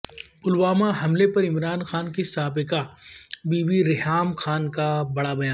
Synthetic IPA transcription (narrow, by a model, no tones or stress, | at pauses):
pʊlwaːmaɦɐmlepɐɾɪmɾaːnxaːnkisaːbɪkabiːbiɾɪɦaːmxaːnkabɐɽabɐjaː